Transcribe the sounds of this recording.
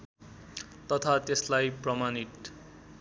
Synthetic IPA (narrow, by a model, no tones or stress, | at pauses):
t̪ʌt̪ʰat̪eslajprʌmanit̪